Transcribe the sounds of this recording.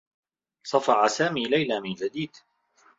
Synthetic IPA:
sˤɑfɑʕasaːmiːlajlaːmɪnd͡ʒad̪iːd̪

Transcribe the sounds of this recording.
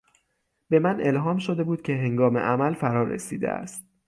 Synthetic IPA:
b̥e̞mænʔe̞lɦɒːmʃod̪e̞buːd̪̥̚cʰe̞ɦe̞ŋɡɒːmḛʔæmælfæɾɒːɾḛsḭːd̪ḛʔæ̰st̪̚

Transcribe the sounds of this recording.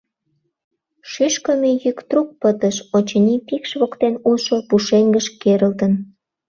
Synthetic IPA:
ʃyʃkəmejykt̪ruk̚pət̪əʃot͡ɕənipikʃβokt̪enuʃopuʃeŋɡəʃkeɾəlt̪ən

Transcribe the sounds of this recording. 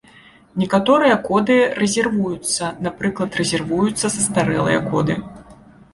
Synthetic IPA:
nʲɛkat̪ɔɾɨjɐkɔd̪ɨɾɛzʲɛrvujut̪sːɐnapɾɨklˠɐt̪rɛzʲɛrvujut̪sːɐsɐst̪aɾɛ̰lˠɨ̰jɐ̰kɔ̰d̪ɨ

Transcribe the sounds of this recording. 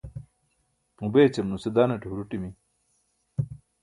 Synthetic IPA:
mũbeːt͡ɕɐmnused̪aːneʈɦuɾuʈimi

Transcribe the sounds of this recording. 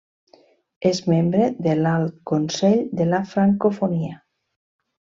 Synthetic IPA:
ezmẽmbɾeðelalkonsɛʎd̪elafɾaŋkofonia

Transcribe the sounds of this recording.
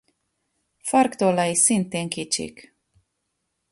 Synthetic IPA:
faɾkt̪olajsint̪eŋkit͡ʃḭk

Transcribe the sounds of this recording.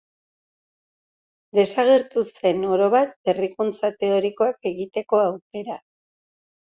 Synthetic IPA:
d̪e̞saɣeɾt̪use̞no̞ɾo̞βat̪̚e̞rikunt͡sat̪e̞o̞ɾiko̞ake̞ɣit̪e̞ko̞awke̞ɾa

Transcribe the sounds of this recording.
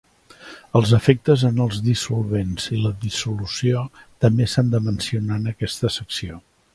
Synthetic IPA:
əlˠzəfek̚t̪əzənəlˠzðisulˠβenz̥iləðisulusiot̪əmbesand̪əmənsiunanəkɛst̪əsəksio

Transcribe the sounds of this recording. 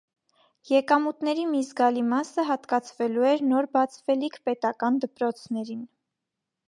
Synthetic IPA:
jɛkɑmut̪nɛɾimizɡɑlimɑsəɦɑt̪kɑt͡sʰvɛluɛɾnɔɾbɑt͡sʰvɛlikʰpɛt̪ɑkɑnd̪əpɾɔt͡sʰnɛɾin

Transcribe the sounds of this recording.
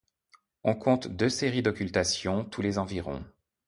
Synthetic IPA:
ɔ̃kʰɔ̃t̪d̪øseʁid̪ɔkʲylt̪asjɔ̃t̪ʰulezɑ̃viʁɔ̰̃

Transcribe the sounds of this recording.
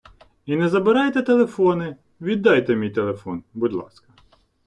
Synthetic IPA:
inɛzɐbɪɾɑjt̪ɛt̪elˠefɔnɪ | ʋʲid̪ːɑjt̪ɛmʲijt̪elˠefɔnbʊd̪lˠɑ̰skɐ̥

